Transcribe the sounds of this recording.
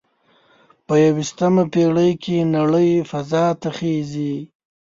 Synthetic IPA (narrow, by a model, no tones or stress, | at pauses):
pəjawist̪əmapeɽəjkʰenaɽəjfazɑt̪aχezi